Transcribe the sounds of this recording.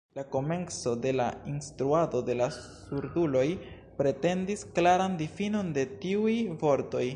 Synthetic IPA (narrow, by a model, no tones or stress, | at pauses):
lako̞me̞nt͡so̞de̞lainstɾuado̞de̞lasuɾdulo̞j | pɾe̞te̞ndisklaɾandifino̞nde̞tiujvo̞ɾto̞j